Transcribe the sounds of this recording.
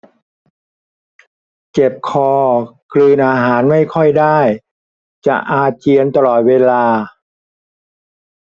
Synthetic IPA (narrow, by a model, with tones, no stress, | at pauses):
ke˨˩p̚kʰɔː˧kʰlɯː˧nʔaː˧ɦaː˩˦nma˥˩jkʰɔ˥˩jdaː˥˩j | t͡ɕa˨˩ʔaː˧t͡ɕi˧ənt̪a˧lɔː˨˩t̪̚weː˧laː˧